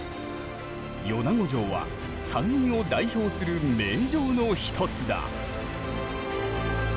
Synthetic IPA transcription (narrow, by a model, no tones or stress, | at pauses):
jo̞naɡo̞ʑo̞ːβa̰ | sãɲĩɰ̃o̞d̪aiço̞ːsɨɾɯ̟me̞ːʑo̞ːno̞çi̥t̪ʰo̞t͡sɨd̪a̰